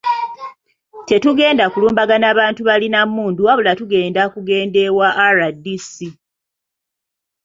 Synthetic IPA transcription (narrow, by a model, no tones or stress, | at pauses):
te̞tuɡe̞ːndakuluːmbaɡanaːβaːntuβalinamuːnduaβulatuɡe̞ːndakuɡe̞ːnde̞waʔːɾadisi